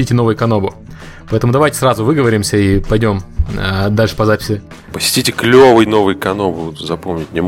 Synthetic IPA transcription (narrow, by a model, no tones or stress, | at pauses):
itʲɪnovɨjʊkɐnobʊ | pɐɛt̪əmʊd̪ɐvajtʲɪ̥sɾazʊvɨɡəvəɾʲɪmsʲəipɐjdʲo̞məd̪alʲʂɨ̥pɐzapʲɪ̥sʲɪ | pəsʲɪ̥tʲitʲɪklʲovɨjno̞vɨjkɐnobʊzɐpomnʲɪt̚ʲnʲɪm